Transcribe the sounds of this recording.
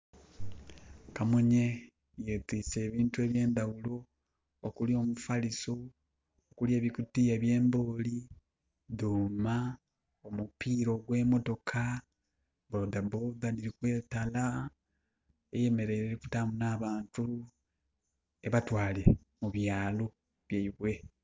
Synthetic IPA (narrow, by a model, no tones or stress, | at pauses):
kamoɲe | jetiːse̞ːβiːntue̞ːβje̞ːndawulo̞ː | kulio̞ːmufaliso | okule̞ːβikutijeβje̞ːmbo̞ːli | ðuːma | omupiːɾo̞ɡwe̞ːmo̞to̞kʰa | bodaboðaniɾikwe̞ːtala | eje̞me̞ɾe̞ɾeku̥tamunaːβaːntu | e̞βatwaːle | muβjaːlo | βjaiβwe̞